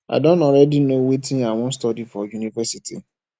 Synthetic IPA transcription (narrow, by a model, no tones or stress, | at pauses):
ʔa̰dɔ̃nɔ̃ɾɛdinõwetʰĩnawɔ̃n̩stɔdifɔjunivɛsitʰḭ